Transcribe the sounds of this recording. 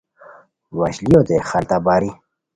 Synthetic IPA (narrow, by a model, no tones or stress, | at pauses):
waɕlijod̪exalt̪abaːɾi